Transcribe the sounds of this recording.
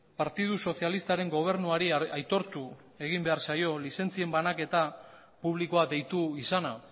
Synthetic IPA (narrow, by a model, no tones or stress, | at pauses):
paɾt̪ið̞uso̞θialist̪aɾe̞ŋɡo̞β̞e̞ɾnuaɾiajt̪o̞ɾt̪u | e̞ɣ̞imbe̞aɾsajo̞lise̞nt͡sie̞mbanake̞t̪a | puβ̞liko̞ad̪e̞jt̪uisana